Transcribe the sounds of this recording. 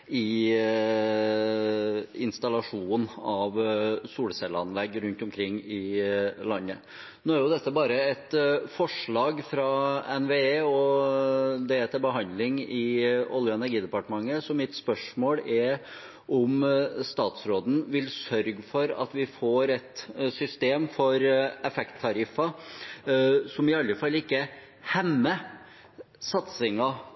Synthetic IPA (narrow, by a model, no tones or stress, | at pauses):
ɪ | ɪnst̪ɑlɑʂuːnɑʋsuːɽəsɛlːəɑ̰nlɛɡːɾʉnt̪ɔmkʰɾɪŋːɪlɑnːə | noːæɾjʊd̪ɛt̪ːəbɑːɾəɛt̪fɔʂɭɑːɡfɾɑɛnʋeːeːɔ | d̪ɛɛt̪ʰɪlbəɦɑnd̪lɪŋɪɔ̰ljʊɛnæɾɡiːd̪əpɑʈəmɑŋːəsɔmɪt̪spœʂmoːlɛɾ | ʔɔmst̪ɑːt̪sɾoːd̪n̩ʋɪlsœɾɡfɔɾɑ̰t̪ʋɪfoːɾɛt̪sʏst̪eːmfɔɾɛfɛkt̪ʰːɑɾɪfɑ | sɔmɪɑlːəfɑlːɪkːə | hɛmːə | sɑt̪sɪŋɑ